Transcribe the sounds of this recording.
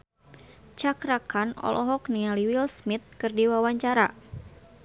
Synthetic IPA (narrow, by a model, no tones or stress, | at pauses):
t͡ʃakɾakanɔ̰lʔɔɦɔknialiwilsmit̪̚kɨrdiwawaɲt͡ʃaɾa